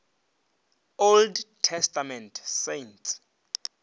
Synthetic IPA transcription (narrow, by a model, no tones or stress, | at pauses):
oldtʰɛstamɛ̃ntʰsejntʰs